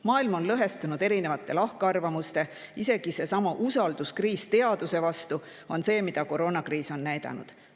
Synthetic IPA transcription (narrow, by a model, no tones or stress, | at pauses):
mɑːilmo̞nlɤɦe̞st̪unud̪̥eɾinevɑt̪ːˑe̞lɑhkeɑrvɑmust̪e̞ise̞ɡ̥ise̞sɑmɑʔusɑld̪̥uskriːst̪e̞ɑd̪̥use̞vɑst̪u | o̞nse̞ːmid̪̥ɑko̞ɾo̞ːnɑkriːso̞nːæjd̪̥ɑ̰nṵd̪̥